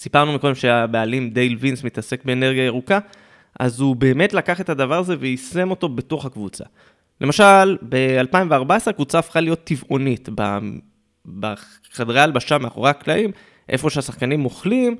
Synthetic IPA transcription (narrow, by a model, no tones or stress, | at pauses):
sipaʁnumiko̞d̪emʃe̞abealimd̪e̞jlvinsmit̪ase̞kbe̞ːne̞ʁɡiae̞ʁuka | ʔa̰zube̞ːme̞tlakaχe̞t̪adavaʁaze̞vejise̞mo̞to̞be̞toχakvut͡sa̰ | lʔe̞maʃalbe̞alpaimveaʁbaesʁe̞kvut͡saːfχalijo̞t̪ːivʔo̞nitba̰ | ba | χadʁealbaʃameaχo̞̰ʁaaklaʔim | ʔe̞̰fo̞ʃeasaχkanimoχlim